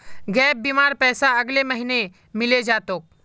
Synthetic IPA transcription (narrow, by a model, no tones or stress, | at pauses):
ɡɛːp̚bimaːɾpɛːsaɐɡleməɦine | mɪled͡ʒaːt̪oːk̚